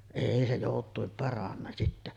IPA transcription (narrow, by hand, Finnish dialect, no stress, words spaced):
eˑi se joˑutˑuim pɑrɑnːɑ sitːæ